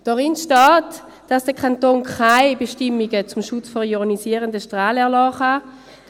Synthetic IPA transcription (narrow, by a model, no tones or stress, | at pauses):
d̥ɔʁɪnʃtɑːt | d̥asd̥əkʰantoːnkʰaɪbeʃtɪmiɡət͡sʊmʃʊt͡sfɔʁjɔʁnisiːəʁəndəʃtʁaːlɛɐlɑːχa